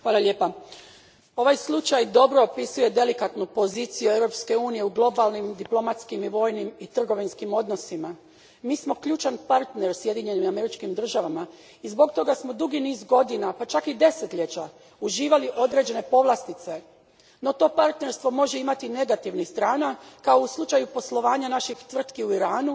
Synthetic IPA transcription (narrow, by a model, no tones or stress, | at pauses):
xʋaːlˠalʎe̞ːpa | o̞ʋajslˠut͡ʃajd̪o̞bɾo̞opisujed̪e̞likat̪nupo̞ziːt̪sijueʋɾo̞pske̞uːnije̞uɡlˠo̞balˠnimd̪iplˠo̞mat̪skimiʋo̞ːjnimit̪r̩ɡo̞ʋinskimo̞d̪no̞sima | miːsmo̞kʎuːt͡ʃanpaɾt̪ne̞ɾsje̞d̪iɲe̞nimame̞ɾit͡ʃkimd̪r̩ʒaʋama | izbo̞k̚t̪o̞ɡasmo̞d̪uɡiniːzɡo̞d̪inapat͡ʃakid̪e̞set̪ʎet͡ɕa | uʒiːʋaliʔo̞d̪ɾe̞d͡ʑe̞ne̞po̞ʋlˠast̪it̪se̞ | no̞t̪o̞paɾt̪ne̞ɾst̪ʋo̞mo̞ʒe̞imat̪ine̞ɡat̪iʋnixst̪ɾaːnakao̞uslˠut͡ʃajupo̞slˠo̞ʋaːɲanaʃixt̪ʋr̩t̪kiuiɾaːnu